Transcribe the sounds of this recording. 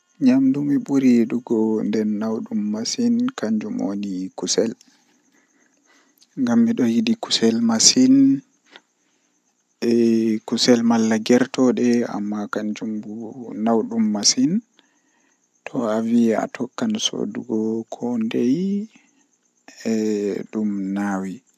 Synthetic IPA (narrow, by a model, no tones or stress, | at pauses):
ɲamdumiɓuɾiɗuɡɔndɛnːawɗumːasinkaɲd͡ʒumo̰nikusɛl | ŋɡamːiɗɔjidiku̥sɛlmasin | ɛkusɛlmalːaɡɛɾtɔɗɛa̰mːakaɲd͡ʒumbunawɗumːasin | tʰɔavia̰tʰɔkːanso̰duɡɔkʰɔndej | ɛɗumnawi